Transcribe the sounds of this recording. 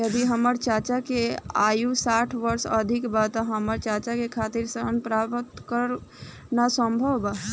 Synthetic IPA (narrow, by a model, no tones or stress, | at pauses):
jəd̪iɦəməɾt͡ʃaːt͡ʃakea̰ːjusaːʈʰʋəɾsəd̪ʱɪkbat̪aɦəməɾt͡ʃaːt͡ʃakekʰaːt̪iɾsəənpɾaːpət̪kəɾ | nasə̃mbʱəʋbaɦ